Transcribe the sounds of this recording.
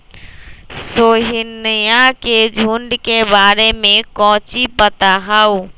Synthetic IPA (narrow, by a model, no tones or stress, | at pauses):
soːɦɪnːəjãked͡ʒʱuɳɖkebaːɾemẽkɔ̃ːt͡ʃipət̪aɦəu